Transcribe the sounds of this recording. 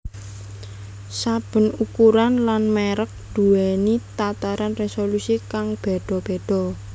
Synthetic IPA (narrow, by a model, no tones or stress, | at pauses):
sab̥ə̤nukuɾanlanmeɾək̚d̪̥ṳenit̪at̪aɾanresolusikaŋb̥e̤ɖ̪̥ɔ̤b̥e̤ɖ̥ɔ̤